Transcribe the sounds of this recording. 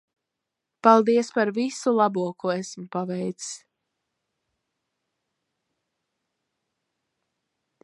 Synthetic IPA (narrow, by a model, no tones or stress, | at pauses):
palˠd̪iɛspaɾvisulˠabuɔkuesmʊpavɛjt̪si̥s